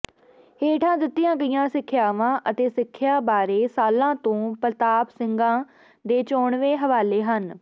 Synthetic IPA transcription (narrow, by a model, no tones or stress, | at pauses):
heːʈʰãːd̪ɪt̪ːɪjãːɡəɪjãːsɪkʰːjaːʋãːʔət̪eːsɪkʰːjaːbaːɾeːsaːlãːt̪õːpɾt̪aːpsɪŋɡãː | d̪eːt͡ʃoːɳʋeːɦəʋaːleːɦən